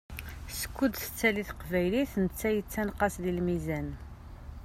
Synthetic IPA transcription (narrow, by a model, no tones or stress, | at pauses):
sə̥kːud̪θə̥t͡sːæliθqvæjliθnət͡sːæjət͡sːænqɑsðilmizæn